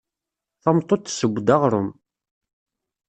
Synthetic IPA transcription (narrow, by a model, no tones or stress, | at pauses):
θɑmt̪ˤːot̪ːsəɡʷːd̪aʁɾˤʊ̰m